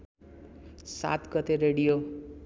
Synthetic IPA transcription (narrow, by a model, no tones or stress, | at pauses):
sa̰t̪ɡʌt̪eɾeɽijo